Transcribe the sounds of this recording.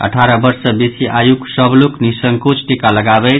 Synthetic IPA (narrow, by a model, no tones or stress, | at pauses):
ə̰ʈʰaɾʌbʌɾsʌbisiʔajuksʌbluknisəŋkot͡ʃʰʈikaləɡabe